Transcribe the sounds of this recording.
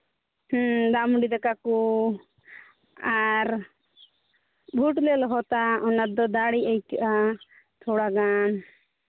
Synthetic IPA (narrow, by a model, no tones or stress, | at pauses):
hd̪amɖid̪akaku | aɾ | bʱuʈlɛlɔɦɔt̪aɔnad̪ɔd̪aɽiəjkiʔa | t̪ʰɔɽaɡan